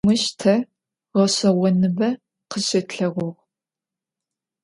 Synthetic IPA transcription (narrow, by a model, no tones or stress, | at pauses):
ɨʃtʰɐ | ʁɐɕɐwɔnɨbɐ | qəɕɐtɬɐʁʷʊʁ